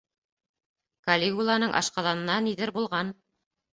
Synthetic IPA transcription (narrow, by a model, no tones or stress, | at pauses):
kalʲiɡulˠɑnɤɴʔɑ̰ʃqɑðɑnɤ̆nɑniðɘɾbulˠʁɑn